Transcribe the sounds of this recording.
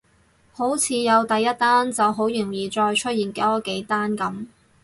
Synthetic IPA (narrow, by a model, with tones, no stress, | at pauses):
ho˨˥wt͡sʰiː˨˧jɐ˨˧wt̪ɐ˨jːɐ˥t̚t̪aː˥nt͡sɐ˨wɦo˨˥wjyː˨˩njiː˨t͡ʃɔː˧jt͡ʃʰɵ˥t̚jiː˨˩nke˨˥ɔ˥ke˨˥jt̪aː˥nkɐ˨˥m